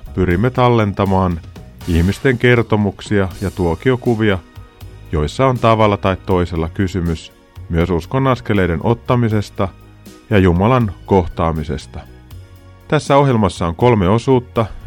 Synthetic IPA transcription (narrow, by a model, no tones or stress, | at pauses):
pyɾimːet̪ɑlːe̞nt̪ɑmɑːniçmist̪e̞ŋk̟e̞rt̪o̞muksiɑjɑt̪uok̟io̞kuʋiɑ | jo̞jsːɑo̞nt̪ɑʋɑlːɑt̪ɑjt̪tːo̞jse̞lːɑkysymys | myøsusko̞nːɑske̞le̞jde̞nʔo̞t̪ːɑmise̞st̪ɑ | jɑjumɑlɑnko̞ht̪ɑːmise̞̰st̪ɑ | t̪æsːæo̞ɦjelmɑsːɑoŋko̞lme̞o̞suːt̪ːɑ